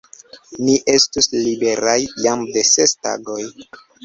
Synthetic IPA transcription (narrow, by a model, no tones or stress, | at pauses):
niʔe̞stuslibe̞ɾajːamde̞se̞sta̰ɡo̞j